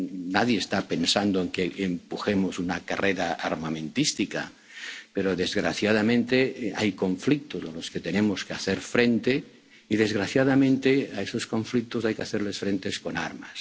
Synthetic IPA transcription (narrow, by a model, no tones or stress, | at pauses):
naðjeːst̪ape̞nsand̪oeŋkeʔempuxemo̞sunakareɾaaɾmamẽ̞nt̪ist̪ika̰ | peɾoðe̞zɣɾaθjað̞amẽnt̪ea̰jko̞ɱflik̚t̪ozelo̞sket̪enemoskeaθeɾfɾent̪e | iðe̞zɣɾaθjaðamẽ̞nt̪eaesosko̞ɱflik̚t̪osajkeaθeɾle̞sfɾent̪esko̞na̰ɾma̰s